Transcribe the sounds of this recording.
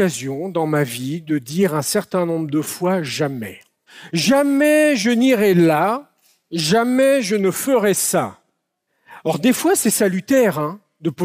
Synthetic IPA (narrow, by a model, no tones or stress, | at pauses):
azjɔ̃d̪ɑ̃mavid̪əd̪iʁɛ̃sɛʁt̪ɛ̃nɔ̃bʁəd̪əfwaʒamɛ̰ | ʒamɛʒəniʁɛla | ʒamɛʒənəfəʁɛsa̰ | ɔʁd̪efwasɛsalyt̪ɛʁɛ̃ | d̪əpo